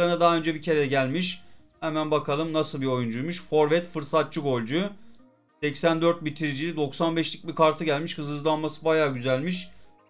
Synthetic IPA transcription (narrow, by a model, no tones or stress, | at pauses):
aɾɯnad̪aɦaø̞nd͡ʒɛbicʰe̞ɾɛɟælʲmiʃ | hemænbakʰalˠɯmnasɯlˠbio̞jund͡ʒujmuʃfo̞ɾvɛt̪fɯɾsat̪̚t͡ʃʰɯɡo̞lʲd͡ʒu | sɛcsænd̪øɾt̪̚bit̪ʰiɾid͡ʒilʲid̪o̞ksanbɛʃlʲic̚bikaɾt̪ʰɯɟælʲmiʃkɯzɯɯzlˠanmasɯbajaːɟyzælʲmiʃ